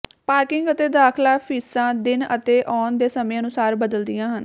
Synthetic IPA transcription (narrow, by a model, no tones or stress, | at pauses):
paːɾkɪŋɡət̪eːd̪aːkʰlaːpʰiːsãːd̪ɪnə̰t̪eːʔɔːnd̪eːsəmẽːənʊsaːɾbəd̪əld̪ɪjãːɦən